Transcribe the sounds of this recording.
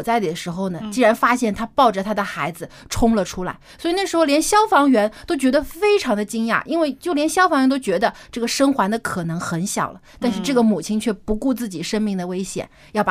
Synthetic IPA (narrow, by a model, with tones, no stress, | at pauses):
t͡sa˥˩ɪli˨˩d̪ə˩ʂɻ̩˧˥xo˧ʊnə˩t͡ɕi˥ɻa˧˥nfa˥ɕjɛ˥˩nt̪ʰa˥pɑ˥˩ʊʈ͡ʂə˨˩t̪ʰa˥d̪ə˨xa˧˥ɪd͡zɹ̩˧ʈ͡ʂʰʊ˥ŋlə˨ʈ͡ʂʰu˥la̰˧˥ɪswɔ˧˥i˨˩na˥˩ʂɻ̩˧˥xo˧ʊljɛ˧˥nɕjɑ˥ʊfɑ˧˥ŋɥɛ˧˥nt̪o˥ʊt͡ɕɥɛ˧˥d̪ə˧fe˥ɪʈ͡ʂʰɑ˧˥ŋd̪ə˧t͡ɕi˥ŋja̰˥˩ʔi˥nwe˥˩ɪt͡ɕjo˥˩ʊljɛ˧˥nɕjɑ˥fɑ˧˥ŋɥɛ˧˥nt̪o˥ʊt͡ɕɥɛ˧˥d̪ə˧ʈ͡ʂɤ˥˩ɡə˩ʂɤ˥ŋxwa˧˥nd̪ə˧kʰɤ˨˩nɤ˧˥ŋxə˧˥nɕjɑ̰˨˩ʊlə˦t̪a˥˧nʂɻ̩˥˧ʈ͡ʂɤ˥˩ɡə˩mu˨˩t͡ɕʰi˥nt͡ɕʰɥɛ˥˩pu˧˥ku˥˧t͡sɹ̩˥˩t͡ɕi˨˩ʂə˥ŋmi˥˩ŋd̪ə˩we˥ɪɕjɛ̰˨˩˦n | jɑ˥˩ʊp